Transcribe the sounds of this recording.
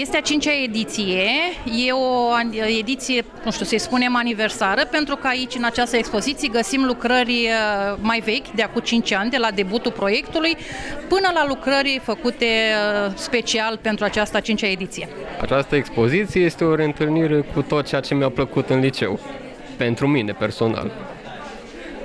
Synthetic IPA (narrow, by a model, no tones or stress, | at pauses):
je̞st̪eat͡ʃint͡ʃae̞d̪it̪sije̞je̞o̞ae̞d̪it̪sije̞nuʃt̪iuwsəjspune̞manive̞rsaɾəpe̞nt̪ɾukəait͡ʃʲɨnat͡ʃast̪əekspo̞zit̪sijeɡəsimlukɾərʲmajve̞kʲd̪eakumt͡ʃint͡ʃʲanʲd̪e̞lad̪e̞but̪ulpɾo̞je̞kt̪ulujpɨnəlalukɾəɾifəkut̪e̞spe̞t͡ʃialpe̞nt̪ɾuat͡ʃast̪ət͡ʃint͡ʃaed̪it̪sije̞a̰t͡ʃast̪əekspo̞zit̪sijeje̞st̪eo̞ɾe̞ɨnt̪ɨlniɾe̞kʰut̪o̞t̪̚t͡ʃejat͡ʃe̞meapləkut̪ɨnlit͡ʃe̞̰w | pe̞nt̪ɾumine̞pe̞rso̞na̰l